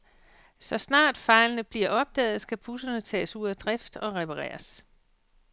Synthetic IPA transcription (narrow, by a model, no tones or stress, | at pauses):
sɒ̽snɑ̰̈ːd̥fɑ̈ɪlənəb̥liɐ̰ʔɒ̽b̥̚d̥ɛ̰ːð̩ˠsɡ̥æpʰusɐnət͡sʰɛ̰ːsuð̰ˠæd̥ʁɛfd̥ɒ̽ʁɛpʰɑʁɛ̰ːɐs